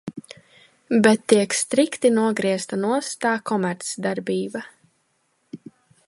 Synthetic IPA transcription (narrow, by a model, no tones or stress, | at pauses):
bɛt̪ːiɛkst̪ɾikt̪inuɔɡɾiɛst̪anuɔst̪aːkʰɔmɛɾt̪sd̪aɾbiːba